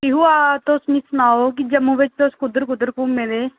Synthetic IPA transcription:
kɪɦuːaːt̪ʊsmĩːsʊnaːoːk̬ɪd͡ʒəmːũːʋɪt͡ʃt̪ʊskʊd̪əɾkʊd̪əɾkuːmeleː

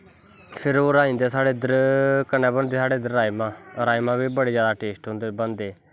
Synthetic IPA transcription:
pʰɪɾoːɾaːĩːnd̪eːsaːɽeːd̪əɾkənɛːbənd̪eːsaːɽeːd̪əɾːaːimãːɾaːimãːbiːbəɽeːzjaːd̪aːʈeːsʈɦʊ̃ːnd̪eːbənd̪eː

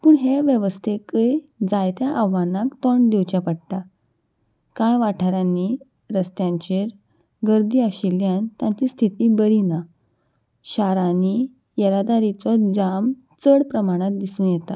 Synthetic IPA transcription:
puːɳɦeʋjəʋəst̪ʰekəd͡zajt̪jaʔaʋanakt̪ɔɳd̪iwt͡ɕapəɽʈ̪a | kãjʋaʈʰaɾanːi | ɾəst̪jãɲt͡ɕeɾ | ɡəɾd̪iːaɕiljant̪jãɲt͡ɕiːst̪ʰit̪iːbəɾina | ɕaɾani | jəɾad̪aɾit͡sɔd͡ʑam | t͡səɽpɾəmaɽ̃at̪̚d̪isuːnjɛt̪a̰

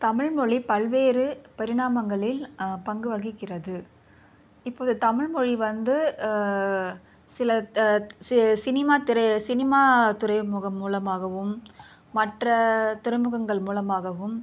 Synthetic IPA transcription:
t̪ɐmɪɻmɔɻipɐɭʋeːrɯpɐɾɪɽaːmɐŋɡɐɭɪlpɐŋɡɯʋɐɣɪkːɪrɐðɯ | ɪpːoːðɯt̪ɐmɪɻmɔɻiʋɐnd̪ɯ | sɪlɐ | sɪnɪmaːt̪ɪɾɐsɪnɪmaːt̪ʊrɐɪmɯɣɐmːuːlɐmaːɣɐʋɯmː | ɐʈrɐt̪ʊrɐɪmɯɣɐŋɡɐɭmuːlɐmaːɣɐʋɯm

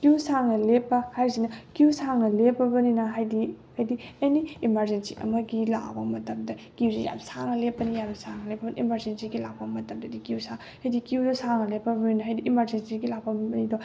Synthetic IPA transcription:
kiusaŋnɐlepːɐhajzinɐkiusaŋnɐlepːɐbɐninɐɦajdihajdieniimaɾzensḭʔɐ̰mɐɡila̰k̚bɐmɐtɐmdɐkiwzija̰msaŋɐlepːɐnijamsaŋnɐlepʰːɐbɐniʔimɐɾd͡ʒensiɡilak̚pɐmɐtɐmdɐdikiwsaŋ | hajdikiudɐsaŋnɐlepːɐbɐninɐɦajdiʔimɐɾzensiɡilak̚pɐbɐnido

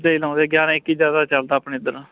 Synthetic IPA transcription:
d̪eiːlãːd̪eːɡjaːɾãːɪkːiːd͡ʒjaːd̪aːt͡ʃəld̪aːpɳeːd̪əɾãː

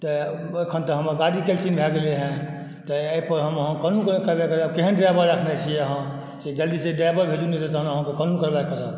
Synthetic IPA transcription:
t̪ɔ | ojkʰənt̪əɦəməɡaɽikelt͡ʃinbʱɛɡeleɦɛ̃ | t̪ɔeipəɾɦəməɦãkənukkəɾbajkəɾəb̚keɦənɖɾabəɾəkʰnet͡ʃʰijeəɦã | sed͡ʒəld̪iseɖabəɾbʱed͡ʒunet̪et̪ɔɦənəɦãkekənukəɾbajkəɾəb

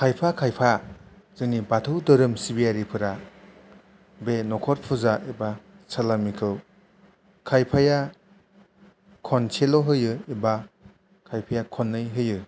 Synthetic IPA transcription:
kʰajpʰakʰajpʰa | z̥ɯŋnibatʰɯwdɯɾɯmsiβiaɾipʰɯɾa | benɔkʰɔɾpʰuzaʔiba | sʰalamikʰɯw | kʰajpʰaja | kʰɔnt͡ʃʰelɔɦɯjɯiba | kʰajpʰajakʰɔnːɯjɦɯjɯ

